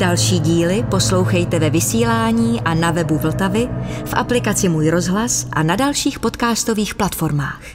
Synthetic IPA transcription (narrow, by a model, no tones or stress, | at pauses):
d̥alʃiːɟiːlɪpo̞slo̞wxɛjt̪ɛvɛvɪsiːlaːɲiːʔanavɛbuvl̩t̪avɪfʔaplɪkat͡sɪmuːjɾo̞zɦlasʔa̰nadalʃiːxpo̞t̪kaːst̪o̞viːxplat̪fo̞ɾmaːx